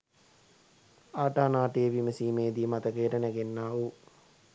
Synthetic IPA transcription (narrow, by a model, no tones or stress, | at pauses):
aːʈaːnaːʈejəʋiməsiːmeːd̪imat̪əkejːʈənɛɡenːaːu